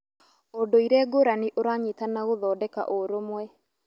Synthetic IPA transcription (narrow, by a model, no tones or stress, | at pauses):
ondoiɾɛːɡoɾaniʔoɾaɲitanaɣoðɔːdɛka̰ʔoɾomwɛ